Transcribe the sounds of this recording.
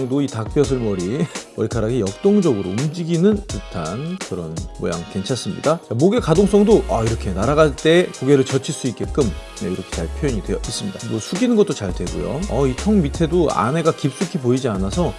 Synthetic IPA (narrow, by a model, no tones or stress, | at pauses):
ŋdoitak̚p͈jʌs̬ʰɯɭmʌɾimʌɭkʰaɾaɡijʌk̚t͈oŋd͡ʑʌɡɯɾo̰umd͡ʑiɡinɯntɯtʰankɯɾʌnmo̰ja̰ŋke̞nt͡ɕʰas͈ɯmɲḭdat͡ɕamoɡe̞kadoŋs͈ʌŋdoʔaiɾʌkʰe̞naɾaɡast͈e̞kuɡe̞ɾɯɭt͡ɕʌt͡ɕʰiɭs͈uit̚k͈e̞k͈ɯm | neiɾʌkʰe̞t͡ɕaɭpʰjojʌɲidwejʌis͈ɯmɲidamʌsʰuɡinɯnɡʌt͈ot͡ɕaɭdwe̞ɡo̰jo̰ʌitʰʌŋmitʰe̞doa̰ne̞ɡakip̚s͈ukʰipoid͡ʑianasʰʌ